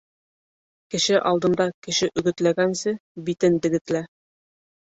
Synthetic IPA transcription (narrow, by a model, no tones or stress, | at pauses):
kɘ̆ʃɘʔɑlˠd̪ɤ̆nd̪ɑkɘ̆ʃɘʔɵ̆ɡɘ̆t̪læɡænsɘbit̪ɘnd̪ɘ̆ɡɘ̆t̪læ